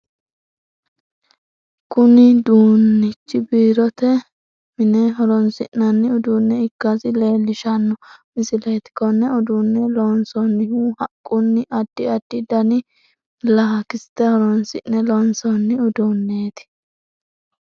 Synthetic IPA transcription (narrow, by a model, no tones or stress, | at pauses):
kʊnɪd̪uːnːɪt͡ʃːɪbiːɾɔt̪ɛ | mɪnɛɦɔɾɔnsɪnːɐnːɪʊd̪uːnːɛɪkːɐsɪle̞ːlːɪʃɐnːɔmɪsɪlɐt̪ɪ̥kːɔnːɛɔd̪unːɛloːnsɔnːɪhuhɐkʼːʊnːɪʔɐd̪ːɪɐd̪ːɪd̪ɐnɪ | lɐɦɐkɪst̪ːɛhɔɾɔnsɪ̰nːɛlɔːnsɔnːɪʊd̪unːeːt̪ɪ̥